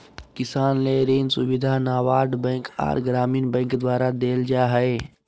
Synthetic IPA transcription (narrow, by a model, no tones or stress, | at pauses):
kɪsaːnleɾiːnsʊ̰bɪd̪ʱanaːʋaːɾɖbɛ̃ka̰ːɾɡɾaːmiːnbə̃ŋkd̪waːɾad̪eːld͡ʒaɦəe